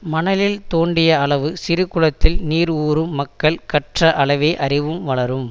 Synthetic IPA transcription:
mɐnɐlɪlt̪oːɳɖɪjɐɐɭɐʋɯsɪɾɯkːɯɻɐt̪ːɪlniːɾuːɾɯmːɐkːɐɭkɐʈrɐʔɐɭɐʋeːʔɐrɪʋɯmʋɐɭɐɾɯm

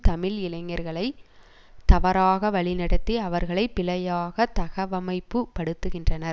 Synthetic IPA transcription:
t̪ɐmɪlɪlɐɪŋːɐɾɣɐɭɐɪ | t̪ɐʋɐɾaːɣɐʋɐɭɪnɐɽɐt̪ːiɐʋɐɾɣɐɭɐɪpːɪlɐjaːɣɐt̪ɐɣɐʋɐmɐɪpːɯpɐɽɯt̪ːɯɣɪndrɐnɐɾ

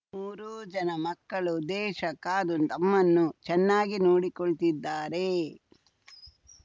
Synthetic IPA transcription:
muːɾuːd͡ʒɐnɐmɐkːɐɭud̪ɛːʃɐkːaːd̪unt̪ɐmːɐnːut͡ʃɛnːaːɡinoːɽikoɭt̪id̪ːaːɾe̞

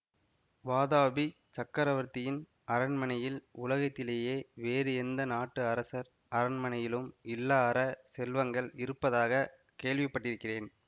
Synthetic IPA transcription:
ʋaːðaːbi | t͡ʃɐkːɐɾɐʋɐɾt̪ːɪjɪn | ɐɾɐnmɐnɐjɪlʊlɐɣɐt̪ːɪleːjeːʋeːɾɯɛnd̪ɐnaːʈːɯɐɾɐsɐɾ | ɐɾɐnmɐnɐjɪlɯmɪlːaːɾɐsɛlʋɐŋɡɐɭɪɾɯpːɐðaːɣɐ | keːɭʋɪpːɐʈːɪɾɯkːɪreːn

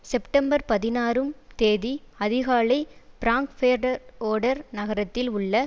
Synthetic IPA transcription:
sɛpʈɐmbɐɾpɐðɪnaːɾɯmt̪eːðiɐðɪɣaːɭɐɪbɪɾaːŋkfeːɾɖɐɾoːɽɐɾnɐɣɐɾɐt̪ːɪlʊɭːɐ

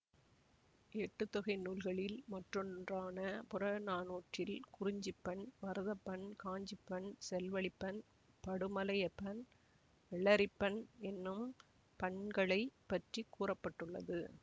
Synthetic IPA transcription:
ɛʈːɯt̪ːɔɣɐɪnuːlɣɐɭɪlmɐʈrɔndraːnɐpʊrɐnaːnoːʈrɪlkʊrɪɲd͡ʒipːɐɳʋɐɾɯðɐpːɐɳkaːɲd͡ʒɪpːɐɳsɛlʋɐɭɪpːɐn | pɐɽɯmɐlɐjɐpːɐn | ʋɛɭːɐɾɪpːɐnɛnːɯm | pɐɳɡɐɭɐɪpːɐʈrikːuːrɐpːɐʈːɯɭːɐ̰ðɯ

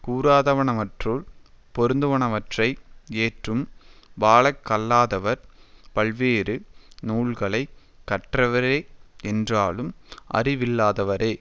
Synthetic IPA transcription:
kuːɾaːðɐʋɐɳɐʋɐʈruɭ | pɔɾɯnd̪ɯʋɐɳɐʋɐʈrɐɪeːʈrɯmʋaːɭɐkːɐlːaːðɐʋɐɾpɐɭʋeːɾɯnuːɭɣɐɭɐɪ | kːɐʈrɐʋɐɾeːɛndraːɭɯmʔɐ̰rɪʋɪlːaːðɐʋɐɾeː

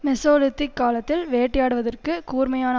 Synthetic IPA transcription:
mɛsoːlɪt̪ːɪkːaːlɐt̪ːɪlʋeːʈːɪjaːɽɯʋɐðɐrkɯkuːɾmɐjaːnɐ

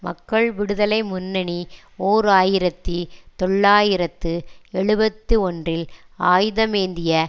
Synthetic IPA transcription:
mɐkːɐɭʋɪɽɯðɐlɐɪmʊnːɐni | oːɾɯaːjɪɾɐt̪ːit̪ɔɭːaːjɪɾɐt̪ːɯɛɭɯbɐt̪ːɯɔndrɪlaːjðɐmeːnd̪ɪjɐ

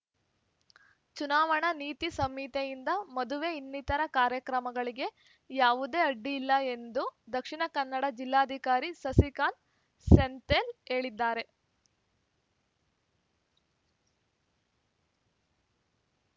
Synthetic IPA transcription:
t͡ʃunaːʋɐɳɐniːt̪isɐmit̪ejind̪ɐmɐd̪uʋe̞inːit̪ɐɾɐkaːɾjɐkɾɐmɐɡɐɭiɡe̞ | jaːʋud̪e̞ːɐɖːiːlːɐe̞nd̪ud̪ɐkʂiɳɐkɐnːɐɽɐd͡ʒilːaːd̪ʱikaːɾisɐsikaːn | sent̪ele̞ːɭid̪ːaːɾe̞

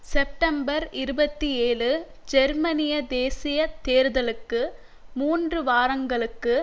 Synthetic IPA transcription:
sɛp̚ʈɐmbɐɾɪɾɯbɐt̪ːieːlɯ | d͡ʒɛɾmɐnɪjɐd̪eːsɪjɐt̪eːɾðɐlɯkːɯ | muːndrɯʋaːɾɐŋɡɐɭɯkːɯ

